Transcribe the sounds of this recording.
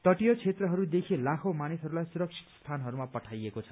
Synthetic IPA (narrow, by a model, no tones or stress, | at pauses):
t̪ʌʈijot͡sʰet̪rʌɦʌɾud̪ekʰelakʰomanisɦʌɾulajsuɾʌk̚t͡sʰi̥t̪st̪ʰanɦʌɾumapʌʈʰajekot͡sʰʌ̥